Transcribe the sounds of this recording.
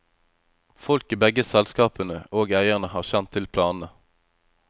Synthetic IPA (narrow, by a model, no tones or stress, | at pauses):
fɔlkibɛɡəsɛlskɑːpənəoːɡæɪəʁnəhɑːʁçɛnt̪ʰːɪlpʰlɑːnn̩ə